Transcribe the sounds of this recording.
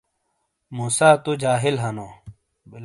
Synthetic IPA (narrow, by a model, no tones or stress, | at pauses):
muːsaːt̪ud͡ʑaːɦilɦɐnoː